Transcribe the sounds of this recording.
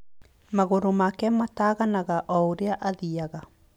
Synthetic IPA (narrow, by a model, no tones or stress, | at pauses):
maɣoɾomakɛmataːɣanaɣaʔɔoɾeaʔaðiaɣa